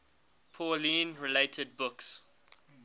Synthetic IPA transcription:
pʰɔlĩːnɹɪleɪtʰəd̚bʊks

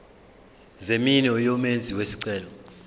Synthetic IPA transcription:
zeminɔjɔmend͡zʱiwesiǀɛːlɔ

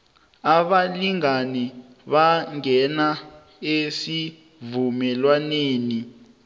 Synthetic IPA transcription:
aɓaliŋanɛ | βaŋɛna | esi | vumɛlwaneːni

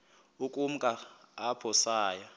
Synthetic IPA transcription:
ukʼum̩kʼaːpʰɔsaːja

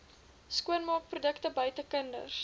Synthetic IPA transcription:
skuənmɑːk̚prudəktəbœɥtəkəndə̰rs

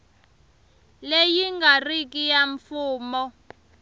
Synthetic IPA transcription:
lejiŋɡarik̬ʼijaɱfuːmɔ

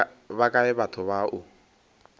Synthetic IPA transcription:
bakʼaɛbatʰʊβaʔʊ

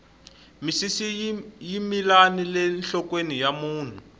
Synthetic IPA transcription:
misisijimilanilɛnɬɔkwenijamuːn̤u

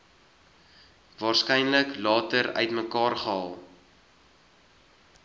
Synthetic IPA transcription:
vɑːrskɛjnləklɑːtəɾœ̰ɥtməkɑːrχəɑːlˠ

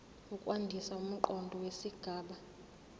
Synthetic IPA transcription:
ukʼwandʱisaum̩ǃɔndʱɔwesiɡ̥ʱaːɓa

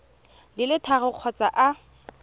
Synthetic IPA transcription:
lɪlɪtʰaɣɪq͡χʰɔt͡saʔa

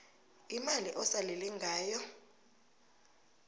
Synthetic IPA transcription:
imaliʔɔsaleliŋɡʱaːjɔ

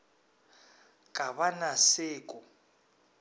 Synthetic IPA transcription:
kʼaβanaseːkʼɔ

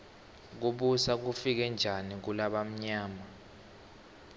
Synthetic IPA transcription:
k̬uɓusak̬ufik̬ɛnd͡ʒʱanik̬ulaɓam̩ɲaːma

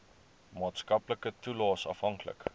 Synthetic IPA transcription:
mɑːtskɐpləkətulɑːsɐfɦɐŋklə̰k

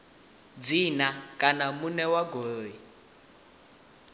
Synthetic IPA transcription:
d͡zinakʼanamunɛwaɡoːi

